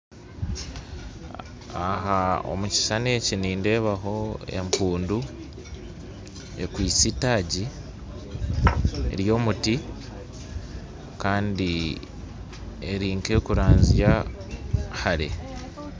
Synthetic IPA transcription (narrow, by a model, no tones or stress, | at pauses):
aɦao̰muci̥saneciniːnde̞ːβaɦo̞e̞̰mpuːndu | e̞kwiːt͡sitaːɟi | ḛɾjo̞ːmuti | kaːndi | eɾiːŋke̞kuɾaːɲzja | haɾe̞̰